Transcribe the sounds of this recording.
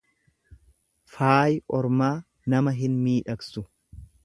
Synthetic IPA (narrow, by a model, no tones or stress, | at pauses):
faːjʔɔɾmaː | nɐmɐɦɪnmiːᶑɐksʊ